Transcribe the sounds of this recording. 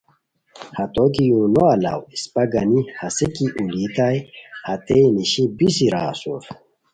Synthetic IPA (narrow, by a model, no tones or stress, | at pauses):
hɐt̪ok̬ijũːnoɐla̰wispɐɡɐnihɐsikiʔulit̪ajhɐt̪ejniɕibisiɾa̰ːsuf